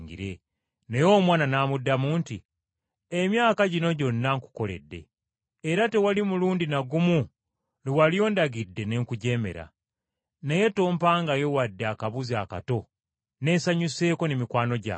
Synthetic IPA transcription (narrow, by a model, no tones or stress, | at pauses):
ɡḭɾe̞ | nejo̞ːmwaːnanaːmudːamuːnti | emjaːkaɟino̞ɟo̞nːaŋku̥ko̞le̞̰dːe̞̰ː | ɾate̞walimuluːndinaɡumu | liwalijo̞ːndaɡidːe̞ne̞ːŋkuɟe̞ːme̞̰ɾa̰ | neje̞to̞ːmpaːŋɡaje̞wadːeakaβuzaːka̰to̞ | ne̞ːsaɲuse̞ːko̞nemikwaːno̞ɟa̰